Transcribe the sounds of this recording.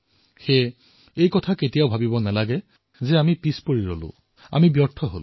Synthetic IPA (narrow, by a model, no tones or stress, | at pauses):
xe | ejkɔtʰaketijaʊbʱabibɔnalaɡɛ | zɛamipispoɹiɹo̰lʊ̰̃ | a̰mibjɔɹtʰɔɦo̰l